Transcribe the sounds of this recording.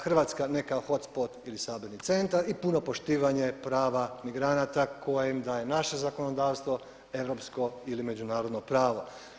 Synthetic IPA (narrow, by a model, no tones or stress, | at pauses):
xrʋaːt̪skane̞kaxo̞t̪spot̪ilisaːbeɾnit̪se̞nt̪aɾipuno̞po̞ʃt̪iːʋaɲe̞pɾaːʋamiɡɾanat̪akʰo̞jemd̪aːje̞naʃe̞zako̞no̞d̪aːʋst̪ʋo̞ | e̞ʋɾo̞psko̞ilime̞d͡ʒunaːɾo̞d̪nopɾaːʋo